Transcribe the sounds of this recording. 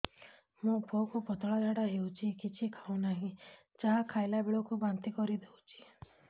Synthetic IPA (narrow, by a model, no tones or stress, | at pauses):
mũpʰokupɔt̪ɔɭɔd͡ʒ̪aɽaewt͡ʃʰikit͡ʃʰikʰawnaɦĩ | t͡ʃaɦakʰajlabeɭɔkubant̪ikɔɾid̪ewt͡ʃʰi̥